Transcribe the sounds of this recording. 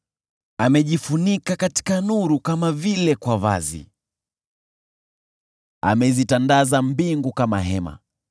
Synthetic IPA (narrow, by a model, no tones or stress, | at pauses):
amɛʄifunikakati̥kanuɾukamavilɛkwava̰zḭ | a̰mɛzitandazambiŋɡukamaɦɛma̰